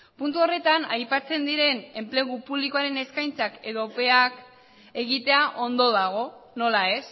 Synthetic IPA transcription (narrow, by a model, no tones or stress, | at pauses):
punt̪uo̞re̞t̪anajpat͡se̞nd̪iɾe̞ne̞mple̞ɣ̞upuβliko̞aɾe̞ne̞skajnt͡sake̞ðope̞ak | e̞ɣit̪e̞aʔo̞nd̪o̞ðaɣ̞o̞no̞lae̞s